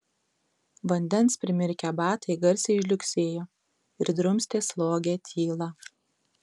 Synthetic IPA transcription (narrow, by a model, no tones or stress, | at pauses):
ʋɐnʲd̪ʲɛnspʲɾʲɪmʲɪɾʲkʲɛbɑːt̪ɐɪɡɐɾʲsʲɛɪʃʲlʲʊksʲeːjoː | ɪɾd̪ɾʊmʲsʲt̪ʲeːslˠoːɡʲeːt̪ʲʰiːlˠɑ